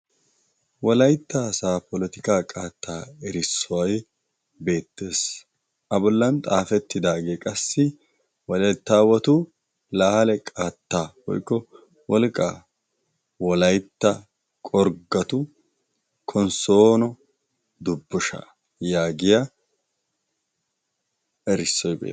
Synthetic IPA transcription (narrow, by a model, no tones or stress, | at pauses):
wɔlɐjt̪ːaːsaːpɔlɛt̪ɪkaːkʼaːt̪ːaːɛɾɪsːɔwɐj | be̞ːt̪ːe̞ːs | ʔɐbɔlːɐnt̪ʼaːfɛt̪ːɪd̪aːɡeːkʼɐsːɪ | wɔlɛjt̪ːaːwɐt̪ʊ | laːhɐlɛkʼaːt̪ːaːwɔ̰jkːɔ | wɔlkʼːa̰ː | wɔlɐjt̪ːɐ | kʼɔɾɡːɐt̪ʊ | kʰɔnso̞ːnɔ | d̪ʊbːʊʃɐ̰ | jaːɡɪjɐ | ɛɾɪsːɔjbḛː